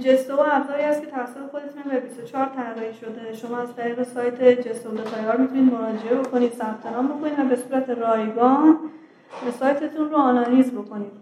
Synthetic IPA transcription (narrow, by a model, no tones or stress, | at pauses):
d͡ʒe̞sooæbzɒːɾiːhæst̪cʰe̞t̪ʰævæsːofe̞xo̞d̪e̞t̪ʰunbebist̪ot͡ʃʰɒːɾt̪ʰæɾɾɒhiʃo̞d̪e̞ʃo̞mɒːæzt̪ʰæɾiːɣe̞sɒːjt̪ʰed͡ʒe̞sood̪et̪ʰɒjɒɾmit̪ʰuniːd̪mo̞ɾɒːd͡ʒe̞e̞bo̞kʰo̞niːd̪̥sæb̚t̪ʰe̞nɒːmbo̞kʰo̞nid̪væbe̞suːɾæt̪ʰe̞rɒːjɡɒːn | sɒːjt̪ʰe̞t̪ʰunroɒːnɒːjiːzbo̞kʰo̞niːd̪̥̚